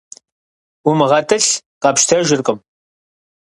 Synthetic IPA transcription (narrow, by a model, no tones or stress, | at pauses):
umɨʁɐtʰɨɬqɑːpʃtʰɐʒɪrqʼəm